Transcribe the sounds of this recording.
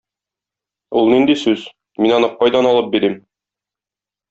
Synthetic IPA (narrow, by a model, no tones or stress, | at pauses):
ulˠnind̪isʉz | minɒnɤq̚ːɒjd̪ɑnɒlˠɤp̚biɾim